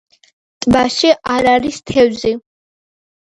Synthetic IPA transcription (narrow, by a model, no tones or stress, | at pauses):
t̪ʼbaʃiʔaɾaɾist̪ʰɛvzi